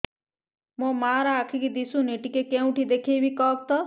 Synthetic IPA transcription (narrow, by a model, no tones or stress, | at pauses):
mõmaːɾaːkʰikid̪isũniʈikekẽũʈʰid̪ekʰebʱikɔːk̚t̪ɔ